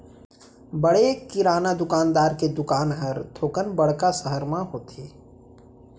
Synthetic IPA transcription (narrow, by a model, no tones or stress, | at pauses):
bəɽekɪɾaːnad̪ʊkaːnd̪aːɾked̪ʊkaːnɦəɾt̪ʰoːkənbɐɽkasəɦəɾmãɦoːt̪ʰeː